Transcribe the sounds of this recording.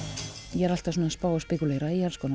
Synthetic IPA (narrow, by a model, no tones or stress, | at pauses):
jɛɛɾal̥t̪avsuːnaspaːwaspɛkuleːjɾaialskon